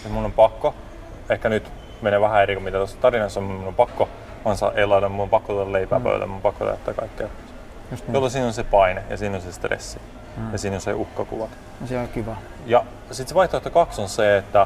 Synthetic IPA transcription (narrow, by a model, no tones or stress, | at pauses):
et̪munːompɑkːo | ehkænyt̪ | meneʋæhæeɾikomit̪æt̪osːɑ̥t̪ɑrinɑsɑmimunːompɑkːo | ɑnsɑ̰ʔelːɑit̪ɑmmunːompɑkːot̪uolɑleipæ̰ːpo̰lːḛmuompɑkːo̰t̪ɑ̰t̪ːæːkɑ̰ikːe̥ | jolːosiːnonsepɑinejɑ̰siːnonsest̪rḛsːi | jɑsiːnonseʔuhkːɑkṵʋɑt̪ | sekiʋæ | jɑ | sit̪seʋɑiht̪oet̪ːɑkɑksonseet̪ːæ